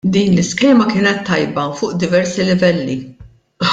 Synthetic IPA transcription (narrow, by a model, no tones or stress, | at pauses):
d̪iːnlɪskɛːmɐkɪːnɛt̪ːɐjbɐfʊːʔd̪ɪvɛɾsilɪvɛlːi